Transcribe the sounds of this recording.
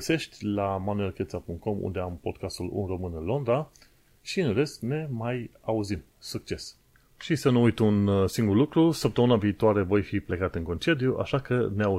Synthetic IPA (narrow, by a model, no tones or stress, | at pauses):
əse̞ʃt̪ʲlamanue̞lke̞t̪sapuŋkt̪̚ko̞mṵnd̪e̞ampo̞d̪̚kast̪ulṵnro̞mɨnɨnlo̞nd̪ɾa | ʃiɨnre̞skne̞majauzim | suk̚t͡ʃe̞s | ʃisənuujt̪unsiŋɡurlukɾusəp̚t̪əmɨnaviːt̪oaɾe̞vo̞jfiple̞kat̪ɨŋko̞nt͡ʃe̞d̪juʔa̰ʃakəneau